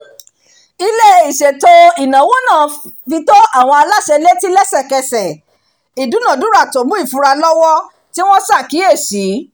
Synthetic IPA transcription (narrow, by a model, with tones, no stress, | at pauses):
i˧le˦i˨ʃe˨to˧i˨nã˨˦wo˦nã˦˨fi˧to˦a˦˨w̃ɔ̃˧a˧la˦ʃɛ˧le˦ti˦lɛ˦sɛ˦˨kɛ˧sɛ˨ | i˨du˨˦nã˦˨du˨˦ɾa˦˨to˨˦bũ˦i˦˨fũ˧˦ɾa˧lɔ˦wɔ˦ | ti˦w̃ɔ̃˦sa˦˨ki˨˦e˦˨si˨˦